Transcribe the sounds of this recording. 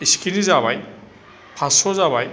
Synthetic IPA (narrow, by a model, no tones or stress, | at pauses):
iskʰinizaβaj | pʰasɔzaβaj